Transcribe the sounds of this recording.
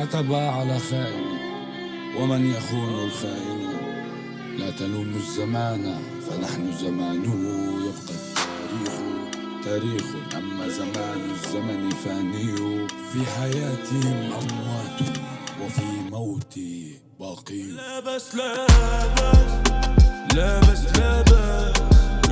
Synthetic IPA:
ʔat̪abaʕalafaːʔl | wamanjaxuːnalfaːʔɪl | lat̪anuːmʊzːamaːna | fanaħnʊzamaːnʊhjɪbqɑt̪ːa | ɾiːxu | t̪aːɾiːxʊʔamːazamaːnɪzːamanfaːnɪjufiħajaːt̪hɪmʔamwaːt̪ʊwɪfimawt̪i | baːqiːn

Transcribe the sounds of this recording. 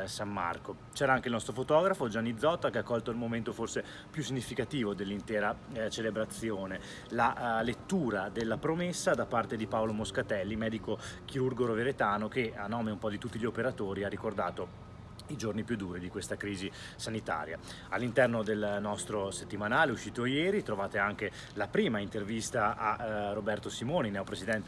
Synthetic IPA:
samːa̰rko | t͡ʃɛːɾaaŋkeilnɔst̪ɾofot̪ɔːɡɾafod͡ʒanːid̪zːɔt̪ːakeakːɔlt̪oilmoment̪oforse | pjusːiɲːifikat̪iːvod̪elːint̪ɛːɾat͡ʃelebɾat̪sːjoːne | lalet̪ːuːɾad̪elːapɾomesːad̪apart̪ed̪ipaolomoskat̪ɛlːimɛːd̪ikokiɾurɡoɾoveɾet̪aːnok̟eanːɔːmeumpɔd̪it̪ut̪ːiʎiopeɾat̪oːɾiarːikord̪aːt̪o | id͡ʒornipjud̪ːuːɾid̪ikwest̪akɾiːzi | sanit̪a̰ːɾja̰ | alːint̪ɛrnod̪elnɔst̪ɾoset̪ːimanaːleuʃːiːt̪ojɛːɾit̪ɾovaːt̪eaŋk̟e | lapɾiːmaint̪ervist̪aʔarobɛrt̪osimoːninɛopɾezid̪ɛnt̪e

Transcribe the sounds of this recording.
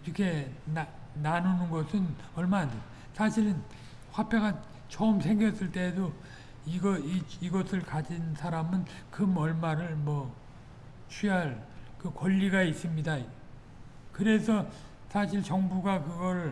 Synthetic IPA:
iɾʌkʰe̞na | nanunɯnɡʌsʰɯnʌɭmaande | sʰaɕʰiɾɯn | ɸwapʰe̞ɣa | t͡ɕʌɯmsʰe̞ŋɡjʌs͈ɯɭt͈e̞ːdo | iɡʌiiɡʌsʰɯɭkad͡ʑinsʰaɾamɯn | kɯmʌɭmaɾɯɭmwʌ | t͡ɕʰiɦaɭkɯkwʌʎːiɡais͈ɯmɲida | kɯɾe̞sʰʌ | sʰaɕʰiɭt͡ɕʌŋbuɡakɯɡʌɾɯ

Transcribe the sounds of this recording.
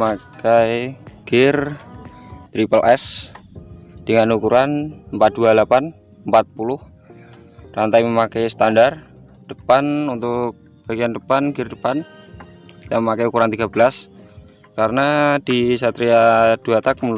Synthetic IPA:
makajɡ̥ɪr | t̪ɾipəlʔɛs | d̥əŋanukuɾanəmpat̪̚dualapan | əmpat̪̚pulʊh | rant̪ajməmakajsə̥t̪andar | d̥əpanunt̪ʊk̚ | b̥aɡiandəpanɡɪrdəpan | daməmakajukuɾant̪iɡabəlas | kaɾənadisat̪ɾiad̥uat̪ak̚mə

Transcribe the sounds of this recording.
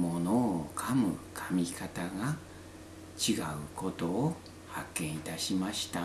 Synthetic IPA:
monokʰamɯ̟kʰamʲikʰat̪aɡa | t͡ɕiɡaɯ̟ko̞t̪o̞ː | hakːẽ̞ɰ̃it̪aɕimaɕi̥t̪a

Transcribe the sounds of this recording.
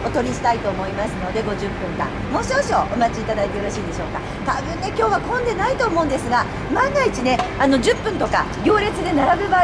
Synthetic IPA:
o̞t̪o̞ɾʲiɕi̥t̪ait̪o̞ːmo̞imasɨno̞d̪e̞ɡo̞ʑɨpːɯ̟̃ŋkã̰ | mo̞ːɕimoɕo̰ʔomat͡ɕiːt̪ad̪ait̪eɯ̟ɾaɕiːd̪e̞ɕo̞ːka̰ | t̪abɯ̟̃nːe̞kʲo̞ːβakõ̞nd̪e̞nait̪o̞ːmo̞ɯ̃nd̪e̞sɨɡa | mãŋɡait͡ɕine̞ano̞ʑɨpːɯ̟̃nt̪o̞ka̰ɡʲo̞ːɾʲe̞t͡sɨd̪e̞naɾabɯ̟ba

